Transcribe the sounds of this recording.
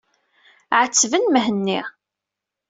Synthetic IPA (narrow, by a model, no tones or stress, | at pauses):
ʕət͡sːvənməɦənːi